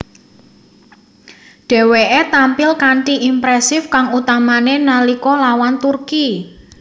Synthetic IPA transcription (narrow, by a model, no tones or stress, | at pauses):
ɖ̥ɛ̤weʔet̪ampɪlkaɳʈiʔimpɾɛsɪfkaŋut̪amanenalikɔlawant̪urki